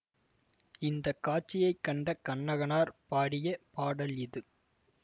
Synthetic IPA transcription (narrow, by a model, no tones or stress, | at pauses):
ɪnd̪ɐkːaːʈ̚t͡ʃːɪjɐɪkːɐɳɖɐkɐɳːɐɣɐnaːɾpaːɽɪjɐpaːɽɐlɪðɯ